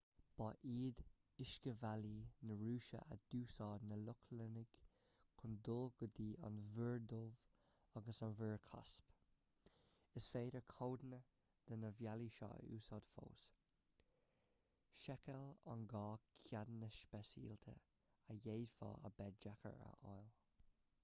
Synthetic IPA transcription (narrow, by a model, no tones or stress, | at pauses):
b̥ɑʔiːd̪ | ɪʃkəvalinəɹuːʃə̰ʔa̰d̪̥uːsɑːd̪nəlʊkʰlənɪɡ̥ | kʰʊnd̪ʊlɡʊd̪iːʔa̰nvəɹd̪ov | aɡəsɑnvəːɹkʰa̰sp | ɪsfeːɾəɹkʰoːd̪nə | d̪̥ənəvjaliʃɑ̰ːṵːsɑːd̥fo̰ːs | ʃɛkəla̰nɡɑːkʰjadnəʃpɛsḭːlt̪ʰə̰ | əjeːdfɑ̰ːə̰bɛd͡ʒakə̰ɹə̰ʔɔjl